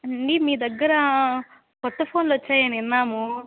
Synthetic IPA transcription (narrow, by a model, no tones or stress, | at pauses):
ɐɳɖimiːd̪ɐɡːɐɾɐ | kɔt̪ːɐpʰoːnlot͡ʃːaːjɐniɐnːaːmu